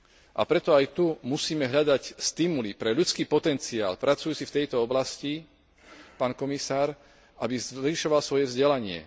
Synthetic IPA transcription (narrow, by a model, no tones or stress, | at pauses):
ʔa̰pɾɛt̪ɔajt̪umusiːmɛɦʎad̪acst̪imulipɾɛʎut͡skiːpɔt̪ɛnt͡sia̰ːlpɾat͡sujuːt͡sift̪ɛjt̪ɔɔblasci | paːnkɔmisaːɾ | abizliʃɔʋalsʋɔjɛvzɟɛlaɲɪɛ̰